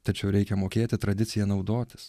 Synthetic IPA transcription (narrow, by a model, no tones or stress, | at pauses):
t̪ɐt͡ʃʲɛʊɾʲɛɪkʲɛmoːkʲeːt̪ʲɪt̪ɾɐd̪ʲɪt̪sʲɪjɛnɒʊd̪oːt̪ʲɪ̥s